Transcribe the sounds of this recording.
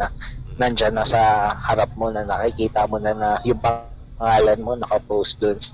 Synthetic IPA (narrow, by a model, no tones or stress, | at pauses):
ɐnɐnd͡ʒanːɐsɐhɐɾap̚mo̞nɐnɐkɪkiːt̪ɐmonɐnɐjʊŋpɐ | ŋaːlɐnmo̞nɐkɐpowst̪̚d̪ʊnsɐ